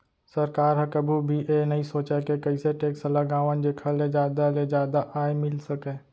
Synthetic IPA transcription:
sɐɾkaːɾɦə̃kɐbʱubʱiʔenɐɦĩsoːt͡ʃakekɐiseʈeːksəlɐɡaːʋənd͡ʒeːkʰaled͡ʒjaːd̪aled͡ʒjaːd̪aʔaːemɪlsɐkẽː

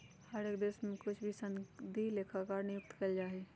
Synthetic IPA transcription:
həɾeːkd̪eːsmẽkʊt͡ʃʰbʱisə̃nd̪ʱileːkʰakaːɾnɪjʊk̚t̪kəld͡ʒaːɦe

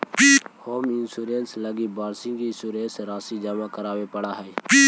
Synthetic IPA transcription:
pihoːmɪnsuːɾeːnsləɡibaːɾsɪ̃ŋkisuːɾeːnsɾaːsid͡ʒaːmãːkəɾaːwepəɽaːɦɛːpi

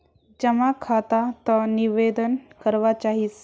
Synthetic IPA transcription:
d͡ʒəmakʰat̪at̪əniʋed̪ənkəɾʋat͡ʃaɦis

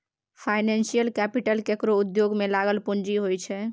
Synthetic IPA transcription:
pʰajnɛnsijəlkɛpiʈəlkekɾoud̪joɡmelaɡəlpund͡ʒiɦojt͡ʃʰɛ

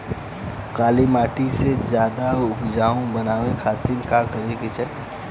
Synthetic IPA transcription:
kaːlimaːʈised͡ʒjaːd̪aʊkd͡ʒaːõbənaːwekʰaːt̪inkakəɾekit͡ʃɛ

